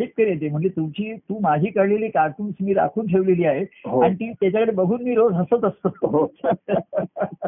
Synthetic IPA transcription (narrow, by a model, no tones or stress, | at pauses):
ep̚kəɾjet̪em̤əɳd͡zet̪umt͡ɕiːt̪uːmad͡ʑʱiːkəɾleliːkaʈuːnsmiːɾa̰kʰuːnʈʰeʋleliːaɦeɦoaɽ̃it̪iːt̪jat͡ɕjakəɽebəɡʱuːnmiːɾod͡zɦəsət̪əst̪əɦo